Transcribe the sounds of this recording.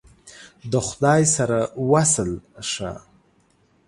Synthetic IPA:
d̪əχʷd̪ajsaɾawasəlʂa̰

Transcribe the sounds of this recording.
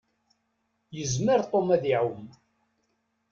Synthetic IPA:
jəzməɾt̪ˤomæðiʕum

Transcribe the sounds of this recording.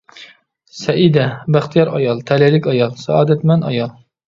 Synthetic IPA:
sɛʔid̪ɛbæχt̪ʰijɑɾɑjɑlˠt̪ʰɛlɛlɪkʲɑjɑlˠsɑɑːd̪ɛt̪mɛnɑjɑlˠ

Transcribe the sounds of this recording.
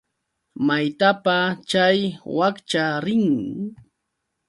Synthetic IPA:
majt̪apat͡ʃajwakt͡ʃaɾɪŋ

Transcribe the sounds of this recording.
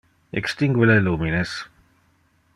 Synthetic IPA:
ḛkst̪iŋɡwelɐluːmines

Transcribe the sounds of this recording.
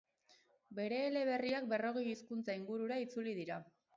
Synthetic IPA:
be̞ɾe̞ːle̞β̞e̞riak̚be̞ro̞ɣejiskunt͡saiŋɡuɾuɾait͡suliðiɾa

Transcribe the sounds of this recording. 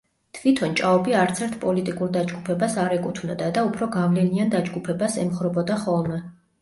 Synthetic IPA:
t̪ʰvit̪ʰɔnt͡ʃʼaɔbiaɾt̪sʰɛɾt̪ʰpʼɔlit̪ʼikʼuɾd̪ad͡ʒɡupʰɛbasaɾɛkʼut̪ʰvnɔd̪ad̪aupʰɾɔɡavlɛniand̪ad͡ʒɡupʰɛbasɛ̰mχɾɔbɔd̪aχɔlˠmɛ

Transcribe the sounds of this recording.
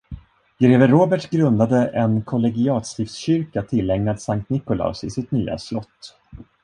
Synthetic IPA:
ɡɾeːvəɾoːbɛʈɡɾɵnd̪ad̪əʔɛnkʰɔlɛɡɪɑːt̪st̪ɪft̪sɕʏɾkat̪ʰɪlːɛŋnad̪saŋk̚t̪nɪkʊla̰sɪsɪt̪ny̰ːa̰slɔt̪ː

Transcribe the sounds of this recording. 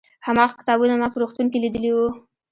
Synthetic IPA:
hamɑɣkɪ̥t̪ɑbunamɑpəɾoxt̪uŋkelid̪əliwu

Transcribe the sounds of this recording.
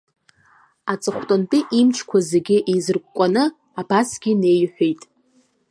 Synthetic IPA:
at͡sʼɨχʷtʼontʼɪʔimt͡ʃʰkʷʰazeɡʲɪʔizɨrkʷʼkʷʼanɨ | abasɡʲɪne̞jħʷᶣejtʼ

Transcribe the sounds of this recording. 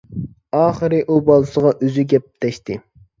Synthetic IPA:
ɑːχəɾɨʔubɑlˠɨsəʁɑʔøzyɡʲɛp̚t̪ɛʃt̪ɪ

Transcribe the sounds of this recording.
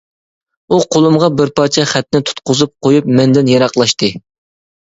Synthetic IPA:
uqʰolˠumʁɑbɪɾpɑt͡ʃʰɛχæt̪nɪt̪ʰu̥t̪qʊzup̚qʰojupmɛnd̪ɪnjɑɾɑqlˠɑʃt̪ɨ

